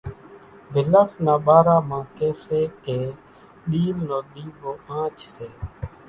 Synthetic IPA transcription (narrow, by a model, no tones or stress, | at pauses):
bʱɪləfnãːɓaːɾaːmãːkeːseːkeː | ɗiːlnoːɗ̪iːboːãːt͡ʃseː